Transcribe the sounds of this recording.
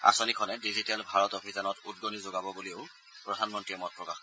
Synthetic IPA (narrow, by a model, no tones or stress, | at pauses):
a̰sɔnikʰɔnɛdizitɛlbʱaɹɔtɔpʰisanɔtud̚ɡonizoɡabɔbuliʊ | pɹɔdʱanmɔntɹiɛmɔt̚pɹɔkax